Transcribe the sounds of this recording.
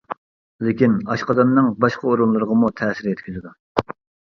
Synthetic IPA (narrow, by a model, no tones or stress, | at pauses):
lɪkʲinɑʃqɑd̪ɑnːɨŋbɑʃqʰɑoɾunlˠɨɾəʁɑmut̪ʰɛːsɪɾjɛt̪ʲkʲyzɪd̪u